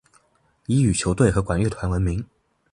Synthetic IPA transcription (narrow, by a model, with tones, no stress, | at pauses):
i˧˥y˨˩t͡ɕʰjo˧˥ʊt̪we˥˩ɪxɤ˧˥kwa˨˩nɥɛ˥˩t̪ʰwa˧˥nwə˧˥nmi˧˥ŋ